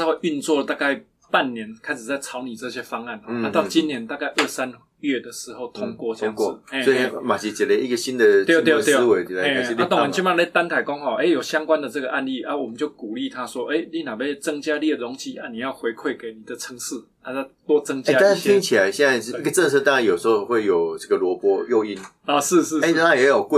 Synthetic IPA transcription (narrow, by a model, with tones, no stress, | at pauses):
ho˥˧y˥˧nt͡swɔ˥˨t̪a˥˧ka˥˩ɪ | pa˥˩nːjɛ˨˦nkʰa˥ɪʂ̩˨˩t͡sa˥˩ɪt͡sʰɑ˧˦ʊni˨˩t͡sɤ˥˧ɕjɛ˦fɑ˥ŋa˥˩nɔ˨˦a˧˦t̪ɑ˥˨ʊt͡ɕi˦nːjɛ˧˦nt̪a˥˧ka˥˧ɪʔə˥˩sa˦n | ɥɛ˥˩d̪ə˩ʂɻ̩˧˥˦xo˥˩ʊt̪ʰʊ˥ŋkwɔ˥˧˥ŋ˨e˥˧e˥ma˨˩t͡ɕʰi˨˩t͡ɕɛ˨nle˨˧ʔi˥ɡə˨ɕi˦˥nd̪ə˨t̪jt̪jt̪jwe˨˦ɪ˨a˨˦e˥˧˨i˥˧la˥˦t̪ɔ˨˥ŋ˨˩t͡ɕi˥˧mã˥˨˩le˥˧ɪt̪a˥nkʰa˨˩ɪkɔ˥˦ŋha˨˩ʊʔe˥ɪjo˨˩ɕja˦ŋkwa˦nd̪ə˨t͡sɤ˥˩ɡə˩ʔa˥˧nli˥˩ʔa˥˦wɔ˨˩mə˨˦nt͡ɕjo˥˩ʊku˨˩li˥˨t̪ʰa˦swɔ˥ʔe˥ɪli˥˩na˨˩be˥˩ɪt͡sə˦ŋt͡ɕja˦li˥˩ə˩ɔ˧˥ŋt͡ɕi˨˥ʔa˦ni˨˩jɑ˥˩ʊxwe˧˥ɪkʰwe˥˩ɪke˨˩ɪni˨˩d̪ə˩t͡sʰə˧˥ŋʂɹ̩˥˩ | a˨˩a˥˧t̪wɔ˥t͡sə˦ŋt͡ɕa˦˥t̪a˥˩t̪ʰi˥ŋt͡ɕʰi˨la˨˦ɪɕɛ˥na˥˧ɪ˥i˥ɡə˨˩t͡sə˥˧ŋsʰɤ˥˧t̪a˥˧a˥˩jo˨˩s̩˧˥xo˥˧xwe˥˩ɪjo˨˩ʊt͡sɤ˥˩ɡə˨lwɔ˧˦pwɔ˦˥jo˥˧ʊi˧˩n | ɔ˨˩ʂɻ̩˥˧˥e˥˦˥a˥jɛ˧˥jo˨˩kwe˥˨